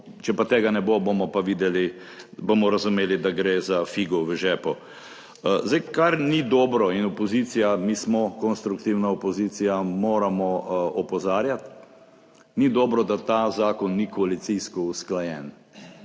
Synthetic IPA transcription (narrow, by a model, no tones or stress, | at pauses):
t͡ʃɛpat̪eːɡanɛbobomɔpaʋiːd̪ɛli | bomɔɾɐzʊmeːlid̪aɡɾeːzafiɡɔʋəʒɛːpɔ | zd̪ɛjkaɾnid̪ɔːbɾɔinɔpɔziːt̪sijamiːsmɔkɔnst̪ɾukt̪iwnaɔpɔziːt̪sijamoːɾamɔɔpɔzaːɾjat̪ | nid̪ɔːbɾɔd̪at̪azaːkɔnːikɔalit̪siskɔusklajɛn